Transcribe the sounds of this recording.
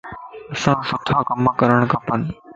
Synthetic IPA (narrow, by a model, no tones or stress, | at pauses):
ɐsãːsʊt̪ʰaːkəməkɐɾəɽ̃kɐpən